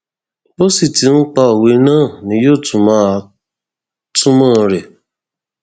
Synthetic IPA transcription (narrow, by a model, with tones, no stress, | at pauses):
o˦si˨ti˨ŋ̩˦k͡pa˦o˨we˨˦nãː˦˨nĩ˨jo˦˨tu˨ma˦˨ | tu˦ma˦˨ɾe˨